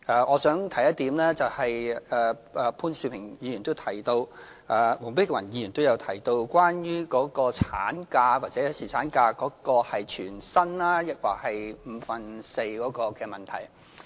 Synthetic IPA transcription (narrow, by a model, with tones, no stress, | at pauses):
ʔaː˧ʔɔː˨˧sœː˨˥ŋt̪ʰɐ˨˩jɐ˥t̪̚iː˨˧˥mlɛː˥t͡sɐ˨whɐ˨jɛː˨˧ʔɛ˨˧pʰuː˥nsi˧pʰɪ˨˩ŋjiː˨˧jy˨˩nt̪o˥wt̪ʰɐ˨˩jt̪o˧w | ʔaː˨˧mo˨˩ŋpɪ˥kɛ˧wɐ˨˩njiː˨˧jyː˨˩nt̪o˥wjɐ˨˧wt̪ʰɐ˨˩jt̪o˧wkʷwaː˥njyː˥kɔː˨˥kɔː˧t͡sʰaː˨˥nkaː˧waː˨t̚t͡sɛː˨˥jsiː˨t͡sʰaː˨˥nkaː˧kɔː˨˥kɔː˧hɐ˨jt͡ʃʰyː˨˩nsɐ˥nlaː˥jɪ˥k̚wa̰ː˨˩k̚hɐ˨jm̩˨˧fɐ˨nse˧jkɔː˨˥kɔː˧kɛː˧mɐ˨nt̪ʰɐ˨˩j